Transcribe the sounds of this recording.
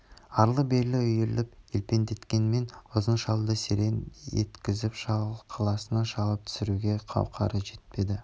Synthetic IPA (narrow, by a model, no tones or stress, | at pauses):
ɑɾlˠəbe̞ɾlɪʏjeɾlɪpelpe̞nd̪e̞t̪kʲe̞nme̞nʊzənʃɑlˠd̪əseɾe̞nḛt̪kʲɪzɪpʃɑqʰɑlˠɑsənɑʃɑʁəp̚t̪ʰʏ̥sɪɾuɡʲe̞qʰɑ̰wqʰɑ̰ɾəʒe̞t̪̚pe̞d̪ɪ